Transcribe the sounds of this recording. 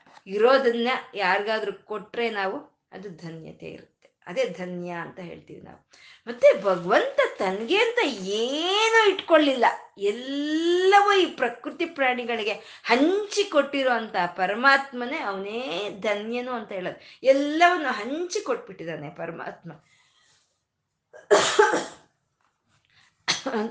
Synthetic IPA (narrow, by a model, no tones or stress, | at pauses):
iɾo̞ːd̪ɐnːjɐjaːɾɡaːd̪ɐɾukoʈːɾe̞ːnaːʋu | ɐ̰d̪ud̪ʱɐnjɐ̰t̪e̞̰ḭɾut̪ːeɐd̪e̞ːd̪ʱɐnjɐːnt̪ɐɦe̞̰ːɭt̪ḭːʋḭna̰ːʋu | mɐt̪ːebʱɐɡɐʋɐnt̪ɐt̪ɐnɡe̞ɐnt̪ɐeːnuiʈkoɭːilːɐɛlːɐʋuiːpɾɐkɾut̪ipɾaːɳiɡɐɭiɡe̞ | hɐɲt͡ʃiko̞ʈːiɾoːɐnt̪ɐpɐɾɐmaːt̪mɐneɐʋɐneːd̪ʱɐnjɐnuːɐnt̪ɐɦeːɭod̪uɛlːɐʋɐnːuɦɐɲt͡ʃikoʈ̚ːbiʈːid̪aːnepɐɾɐma̰ːt̪mɐ